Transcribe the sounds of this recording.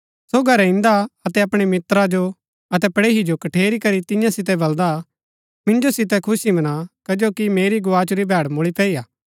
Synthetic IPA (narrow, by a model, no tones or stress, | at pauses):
soɡʱɐɾɪ̃nd̪aɐt̪ɛɐpɽ̃imɪt̪ɾad͡ʒo | ɐt̪ɛpɐɽeːɦid͡ʒokɐʈʰeːɾikɐɾit̪ɪ̃jãsɪt̪ɛbɐld̪a | mɪ̃nd͡ʒosɪt̪̬ɛkʰʊsimɐnakɐd͡ʒoːkimeːɾiɡʊaːt͡ʃuɾibʱɛːɽmoɭipɛːiːaː